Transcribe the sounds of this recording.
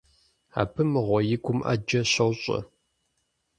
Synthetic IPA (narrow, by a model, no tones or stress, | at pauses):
a̰ːpʰɨmɨʁʷɔjɪɡʷʰʼʊmʔɐ̰d͡ʒɐɕɐwɕʼɐ̰